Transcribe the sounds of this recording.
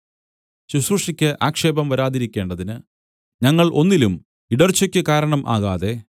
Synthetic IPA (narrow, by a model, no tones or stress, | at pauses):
ɕusruʂikʲːɨʔaːkʂe̞ːbɐmʋɐɾaːðiɾikʲːe̞ːɳɖɐðinɨ | ɲɐŋːɐɭʔo̞nːilum | iɽɐrt͡ɕːɐkʲːɨkaːɾɐɳɐmʔa̰ːɣaːðe̞